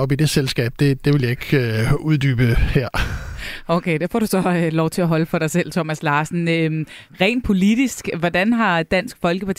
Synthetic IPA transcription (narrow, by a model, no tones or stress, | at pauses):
ɒ̽b̥id̥e̝selsɡ̥ɛ̰ːb̥d̥e̝d̥e̝ʋe̝ljɑ̈e̝ɡ̥øuðˠd̥y̰ːb̥əheɐ̰ | okʰeɪd̥ëfɒ̰ːɾ̥usɒ̽ølɒʊt͡sʰe̝æɦɒ̽ləfɒ̽ɾ̥ɑ̈ɪsel̰t͡sʰomæslɑ̈ːsn̩ø | ʁɛ̰ːnpʰo̝lid̥isɡ̥ʋɒd̥ænɦɑ̈d̥æn̰sɡ̥fɒ̽lɡ̥əpʰɑ̈t͡sʰ